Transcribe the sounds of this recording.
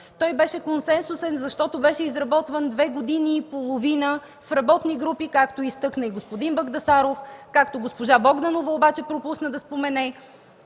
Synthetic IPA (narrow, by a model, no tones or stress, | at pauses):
t̪ɔjbɛʃɛkonsɛnsusɛnzɐʃt̪ɔt̪obɛʃɛizɾɐbɔt̪vənd̪vɛɡod̪iniːpolˠovinə | fɾɐbɔt̪niɡɾupikakt̪oist̪ɤknəiɡospod̪inbɐɡd̪ɐsaɾofkakt̪oɡospoʒabɔɡd̪anovəobat͡ʃɛpɾopusnəd̪ɐspomɛnɛ